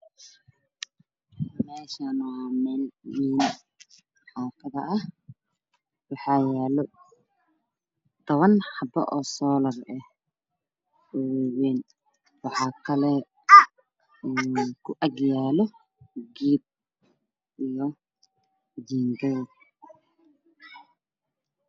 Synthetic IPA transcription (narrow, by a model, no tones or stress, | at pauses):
mɛːʃanɔmɛːlwiːn | ħaːt̪ʰɐðɐɐh | wɑħɑːjaːlɔ | t̪ʰɔβɐnħɑbɐ̰ʔɔːsɔːlɐrɛh | ɛwɛwɛːn | wɑħɑːkʰɐlɛ | ɛːkʰʊʔɐɡjaːlɔ | ɡiːb̚ | ijɔ | d͡ʒiːŋɡɛ